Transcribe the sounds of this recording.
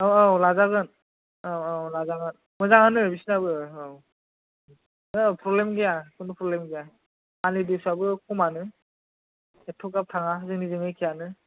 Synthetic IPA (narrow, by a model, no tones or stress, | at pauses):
awawlazaɡɯn | awawlazaɡɯn | mɯzaŋanɯebisnabɯaw | ɯpʰɾɔblemɡijakʰunupʰɾɔblemɡija | kanlidisuabɯkʰumanɯ | ɛtʰɔkɡap̚tʰaŋaɦzɯŋnizɯŋɯjkʰijanɯ